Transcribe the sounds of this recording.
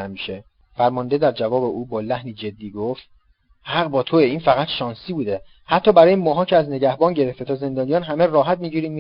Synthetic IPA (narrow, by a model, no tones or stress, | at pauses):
æmiʃe | fæɾmɒnd̪ed̪æɾd͡ʒævɒːbeʔuːbɒːlæhniːd͡ʒe̞d̪ːiːɡoft̪ | hæʁbɒːt̪ʰoeiːnfæɣæt̪ʃɒːnsiːbuːd̪e̞ | hæt̪ʰːɒːbæɾɒːjemɒːɦɒːcʰeæzne̞ɟæhbɒːnɟe̞ɾeft̪et̪ʰɒːze̞nd̪ɒːnijɒːnɦæmerɒːɦæt̪̚miːɟiːɾiːm